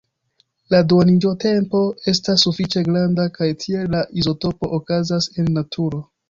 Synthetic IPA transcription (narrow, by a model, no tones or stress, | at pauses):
ladwonid͡ʒo̞te̞mpo̞e̞stasːufit͡ʃe̞ɡɾandakajtʰie̞laʔizo̞to̞po̞ʔokazase̞nːatʰuɾo̞